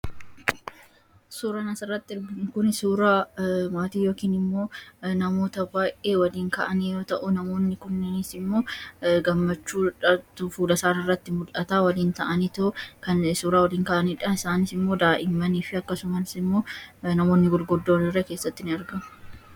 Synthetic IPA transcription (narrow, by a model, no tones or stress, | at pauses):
suːɾanɐsɐɪrːɐt̪ːɪɪɾɡɪŋkʊnɪsuːɾaːmaːt̪iːjo̞ːkiːnɪmːo̞ːnɐmo̞ːt̪ɐbaːjʔe̞ːwɐliːŋkɐʔɐniːjo̞ːt̪ɐʔʊnɐmo̞ːnːɪkʊnːɪnɪsɪmːo̞ːɡɐmːɐt͡ʃːuːᶑɐt̪ʊfuːlɐsaːɾɐɪrːɐt̪ːɪmʊlʔɐt̪aːwɐliːnt̪ɐʔɐniːt̪okɐnsuːɾaːwɐliːŋkɐʔɐniːᶑɐɪsaːnɪsɪmːo̞ːd̪aːʔɪmːɐniːfɪɐkːɐsʊmɐnsɪmːo̞ːnɐmo̞ːnːɪɡɔlɡɔd̪ːoːnɪrːɛke̞ːsːɐt̪ːɪnɪɐɾɡɐmʊ̥